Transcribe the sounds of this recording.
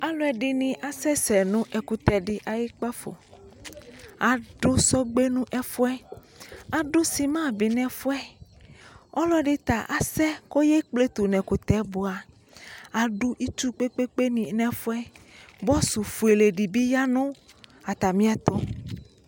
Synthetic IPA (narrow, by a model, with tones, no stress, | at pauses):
a˨lo˦ɛ˨ɖi˦nĩ˨ʔa˨sɛ˦sɛ˨nũ˦ʔɛ˨ku˨t̪ɛ˨ɖi˦ʔa˨ji˦k͡pa˦fo̰˨ | a˨ɖo˦sɔ˦ɡ͡be˦nũ˦ʔɛ˦fo˦ɛ˦ | a˨ɖo˦si˨mã˦bi˨nɛ̃˨fo˦ɛ˦ | ɔ˦lɔ˦ɖe˦t̪a˨ʔa˨sɛ˦ko˦je˦k͡ple˦t̪u˨nɛ̃˨ku˨t̪ɛ˨˦bo˨a˨ | a˨ɖu˦ʔi˦t͡ʃu˦k͡pe˦k͡pe˦k͡pe˦nĩ˨nɛ̃˨fo˦ɛ˦bɔ˦su˨fu˨e˨le˨ɖi˨bi˦ja˦nũ˦ | a˨t̪a˨mĩ˦a˦t̪ɔ˦